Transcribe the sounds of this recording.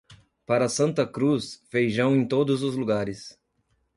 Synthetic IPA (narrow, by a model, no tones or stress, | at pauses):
paɾɐsɐ̃nt̪ɐkɾusfejʒɐ̃w̃ẽj̃t̪od̪ʊzʊzluɡaɾɪs